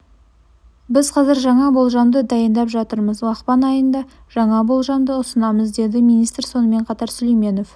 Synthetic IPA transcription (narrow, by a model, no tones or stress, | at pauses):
bɪzqʰɑzɪɾʒɑɴɑbo̞lˠʒɑmd̪əd̪ɑjənd̪ɑpʒɑt̪əɾməzwɑqpɑnɑjənd̪ɑ | ʒ̥ɑɴɑbo̞lˠʒɑmd̪əʊsənɑməzd̪e̞d̪ɪmijnijst̪ɾso̞nəme̞ɴqʰɑt̪ɑɾsʏlejme̞no̞f